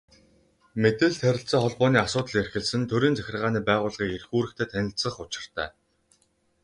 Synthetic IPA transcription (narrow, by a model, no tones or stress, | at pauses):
met̪ɘ̆ɮt̪ʰæɾʲɪ̆ɬt͡sə̆ːŋχɔɮpɔːniːasʊːt̪ə̆ɮerxɘ̆ɮsɘ̆nt̪ʰɵɾiːnt͡sæxʲɪ̆rʁaːniːpæːʁʊːɮʁiːkerxuːɾɘ̆kt̪ʰeːt̪ʰænʲɪ̆ɬt͡sə̆χʊt͡ɕɪ̆r̥t̪æ̰ː